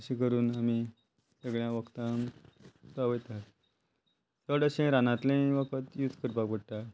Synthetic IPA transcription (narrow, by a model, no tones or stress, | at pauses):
ɕikəɾuːnamiː | səɡɭjãʋəkt̪ãŋsaʋəjt̪at̪ | səɽəɕẽɾanãt̪lẽʋəkʰət̪jud͡z̪kəɾpakʋəɽt̪a